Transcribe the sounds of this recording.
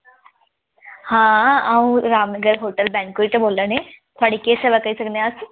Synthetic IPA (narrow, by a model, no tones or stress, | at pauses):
hãaũɾaːmnəɡəɾɦoːʈəlbɛ̃ːŋkoiʈ̪əboːlːənẽt̪ʰʊaːɽikeːseʋakəisɐkneas